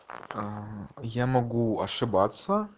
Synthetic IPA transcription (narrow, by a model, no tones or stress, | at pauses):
jamɐɡuɐʂɨbat̪sːɐ